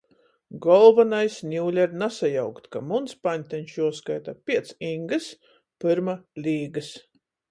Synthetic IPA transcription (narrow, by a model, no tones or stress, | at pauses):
ɡɔlˠvanajsnʲuːlʲɛɾnasajawkt̪ʲkamunspanʲt̪ʲɛnʲʃuɔskajt̪apʲiɛt̪siŋɡɨs | pɨɾmalʲiːɡɨs